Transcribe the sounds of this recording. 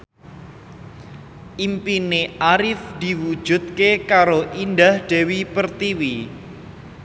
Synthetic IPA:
ʔimpineʔaɾɪfd̪̥i̤wud̥ʒ̥ṳt̪̚kekaɾoʔind̪ahɖ̥e̤wipərt̪iwi

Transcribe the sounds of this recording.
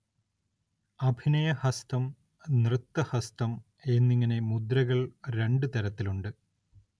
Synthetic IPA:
ɐbʱinɐjɐhɐst̪ɐm | nrɨt̪ːɐhɐst̪ɐm | e̞nːiŋːɐne̞mud̪ɾɐɣɐɭɾe̞ɳɖɨt̪ɐɾɐt̪ːiluɳɖɨ

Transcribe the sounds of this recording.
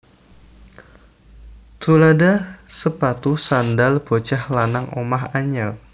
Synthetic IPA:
t̪uladasəpat̪usandalb̥ot͡ʃahlanaŋomaɦaɲɛl

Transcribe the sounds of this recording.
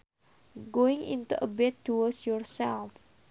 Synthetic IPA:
ɡoɪ̃ŋḭ̃nt̪uʔəbɛt̪ːuɔsjɔɹsɛlf

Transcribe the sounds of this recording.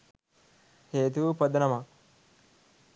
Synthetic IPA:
heːt̪̬upəd̪nɐmɐ

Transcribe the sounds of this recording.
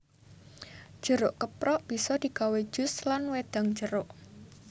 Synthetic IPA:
ʒ̥əɾʊʔkəpɾɔʔb̥isɔd̪̥i̤kawe̥ʒ̥ʊ̤slanwed̪̥a̤ŋ̥d͡ʒəɾʊʔ

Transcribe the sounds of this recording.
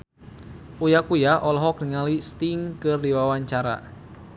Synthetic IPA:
ujakujaʔɔlɔɦɔkniŋalist̪iŋkɨrdiwawaɲt͡ʃaɾa̰

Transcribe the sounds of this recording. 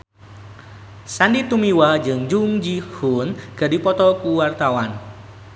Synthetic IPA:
sandit̪umiwad͡ʒɨŋd͡ʒuŋd͡ʒihunɡ̥adipɔt̪ɔkuwart̪awan

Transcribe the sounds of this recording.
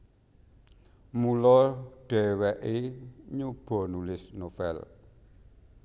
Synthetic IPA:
mulɔɖ̥ɛwɛʔɪɲub̥onulɪsnɔfɛ̰l

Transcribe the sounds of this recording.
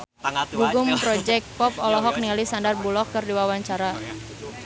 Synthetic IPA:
ɡuɡʊmpɾɔd͡ʒɛk̚t̚pɔp̚ɔlɔɦɔk̚niŋalisandarbulɔkːɨrdiwawaɲt͡ʃaɾa

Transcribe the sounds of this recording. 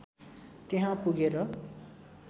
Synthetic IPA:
t̪eɦãpuɡeɾʌ

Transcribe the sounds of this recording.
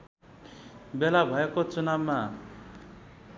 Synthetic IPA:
belabʱʌekot͡sunabma

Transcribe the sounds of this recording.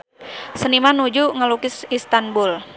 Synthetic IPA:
sənimanud͡ʒuŋəlukɪsist̪anbul

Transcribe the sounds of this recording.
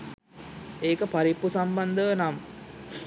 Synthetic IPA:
eːkəpaɾipːusamband̪əʋnam

